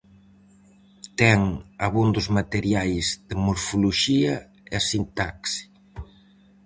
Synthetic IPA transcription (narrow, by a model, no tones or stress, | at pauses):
t̪ɛŋaβund̪ʊzmat̪eɾjajzð̥emoɾfoloʃiɐ | ɛasint̪aksi̥